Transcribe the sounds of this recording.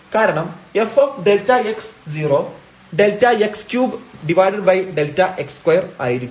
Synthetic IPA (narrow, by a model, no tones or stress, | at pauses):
kaːɾɐɳɐmefofɖeltɐeksd͡ʑiːroː | ɖeltɐekskjuːbɖiʋaːjɖɐɖbɐjɖeltːɐʔekskwɐjɐra̰ːjiɾikʲː